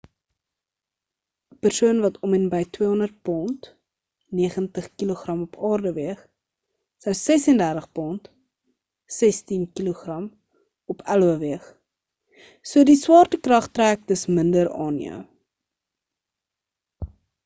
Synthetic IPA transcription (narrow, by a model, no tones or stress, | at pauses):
əpərsuənvɐtʰɔmɛnbəjtwiəɦɔndərt̚pɔnt | niəχəntəχkiluχrɐmɔpʰɑːrdəviəχ | səwsɛsəndærtəχpɔnt | sɛstinkiloχrɐm | ɔpʰæluəviəχ | suədiswɑːrtəkrɐχtræːk̚dəsməndəɾɑːniə̰